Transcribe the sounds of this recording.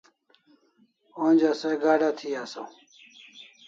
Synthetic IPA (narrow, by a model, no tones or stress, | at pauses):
ond͡ʑaseɡaːɖat̪ʰiːaːso